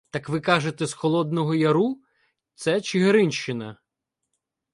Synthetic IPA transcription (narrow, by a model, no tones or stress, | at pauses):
t̪ɑkʋɪkɑʒet̪ɛsxɔlˠɔd̪nɔɦɔjɐɾu | t̪sɛt͡ʃɪɦeɾɪnʲʃt͡ʃɪnɐ